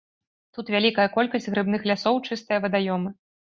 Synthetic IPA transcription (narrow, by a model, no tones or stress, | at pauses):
t̪ut̪vʲalʲikɐjɐkɔlʲkɐsʲdʲɣɾɨbnɨxlʲasɔwt͡ʂɨst̪ɨjɐvɐd̪ajɔmɨ